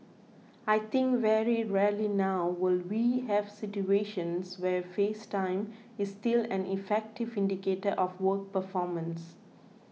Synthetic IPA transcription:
aɪt̪ʰɪ̃ŋkʋɛɾiɹɛlinaʊwɪlwiːhɛvsɪʈjueːʃə̃nswɛfeːsʈãɪ̃m | ɪsstʈɪlæ̃nʔifɛk̚ʈɪvɪ̃nɖikeːʈəʔɔfwək̚pəfɔːmə̃ns

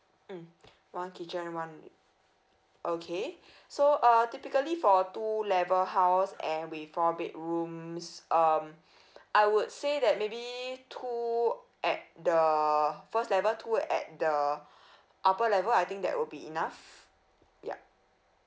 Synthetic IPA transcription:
m̩ | wãnkit͡ʃə̃nwãn | ʔokʰe | soʔʌtipikəlifɔtulɛvəlɦaʊsɛ̃nwifɔbeʔ̚ɹũmsʔʌm | ʔajwud̚sedɛt̚mebitʰu | ʔɛt̚dəfəstlɛvətʰuɛ̰t̚də | ʔapəlɛvəlajt̪ɪ̃ŋk̚dɛ̰ʔ̚wʔɪlbiḭnaf | ja̰

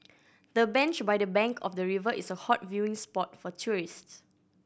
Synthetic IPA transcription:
dəbɛ̃nt͡ʃbajdəbɛ̃ŋkʰɔfdəɹivəʔɪsəhɔtvjuɪ̃ŋspɔtfɔtʰuɹists

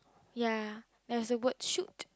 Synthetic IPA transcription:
ja | dɛɹzəwətʃut

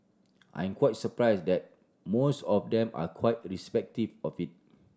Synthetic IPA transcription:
ʔã̰jɛ̃mkwajt̚səpɹajsdɛt̚ | mosɔfdɛ̃ma̰kʰwaɪt̚ɹispɛk̚tivɔfit̚

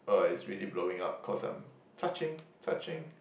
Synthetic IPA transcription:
oɪsɹilibloʊɪ̃ŋap̚kʰɔsã̰ɪ̃m | tʰat͡ʃɪ̃ŋtʰat͡ʃɪ̃ŋ

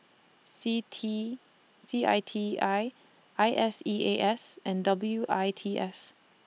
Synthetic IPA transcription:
sitʰi | siʔa̰ɪtʰiaɪ | ʔaɪʔɛsiʔeʔɛsʔɛ̃ndʌbl̩juʔaɪtʰiʔɛs

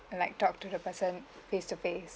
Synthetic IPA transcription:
laɪk̚tɔk̚tudəpəsə̃n | festufes

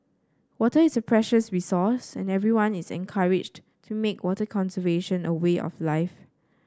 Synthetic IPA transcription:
wɔtəɪsəpʰɹɛʃəsɹisɔsɛ̰̃nɛvɹiwãnisɛ̰̃nkʰaɹɪd͡ʒ | tʰumekwɔtəkʰɔ̃nsəveʃə̃nəweʔɔ̰flaɪf

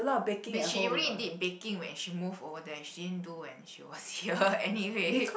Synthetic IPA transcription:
əlɔtɔbekĩɛ̃ɛʃiɹilidid̚bekĩŋwɛ̰̃nʃimuvovədɛʃididə̃nduɛ̰̃nʃḭwɔshiəɛniwe

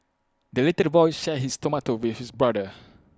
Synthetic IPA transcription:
dəletəvɔjsʃɛɦistɔmatowiθhisbɹadə

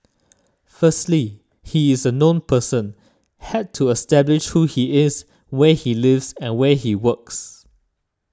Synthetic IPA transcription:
fəstli | hiɪzənõnpʰəsə̃n | hɛttʰːuɛstɛblɪʃhuhiɪz | wɛhilɪvzɛ̃nwɛhiwəks

